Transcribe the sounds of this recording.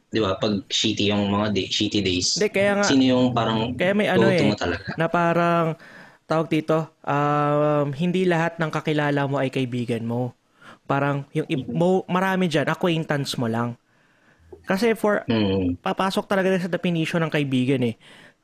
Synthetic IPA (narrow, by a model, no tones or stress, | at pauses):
d̪ɪbapɐɡ̚ʃiːt̪ɪjʊŋmɐŋad̪eʃiːt̪ɪd̪ejsd̪ɛkɐjaːŋasinojʊŋpaːɾɐŋkɐjamɐjʔɐnoɛmot̪ɐlɐɡanɐpaːɾɐŋt̪aːwɐɡ̚d̪iːt̪o̞ʔɐmɦɪnd̪ilɐɦat̪̚nɐŋkɐkɪlaːlɐmo̞ʔɐjkɐɪbiːɡɐnmo̞ | paːɾɐŋjʊŋʔɪbowmɐɾaːmɪd͡ʒanʔɐkwɛjnt̪ɐnsmo̞laŋ | kɐsɛfoɹ̩pɐpaːsok̚t̪ɐlɐɡad̪ɪns̬ɐd̪ɛpɪniːʃonɐŋkɐʔɪbiːɡɐnɛ